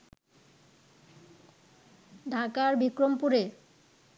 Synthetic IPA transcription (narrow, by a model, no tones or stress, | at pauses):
ɖʱakaɾbikɾompuɾe